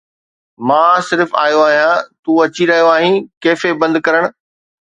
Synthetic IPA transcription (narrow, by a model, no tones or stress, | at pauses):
mãːsɪɾfa̰ːjoaːɦijãt̪uːɐt͡ɕiɾɐɦijoaːɦĩkeːfebɐ̃nd̪kɐɾəɽ̃̆